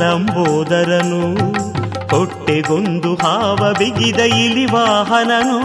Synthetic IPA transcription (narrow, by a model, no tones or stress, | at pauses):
ɐmbɔːd̪ɐɾɐnu | kɔʈːeɡond̪uɦaːʋɐbiɡid̪ɐjilːiʋaːɦɐnɐnu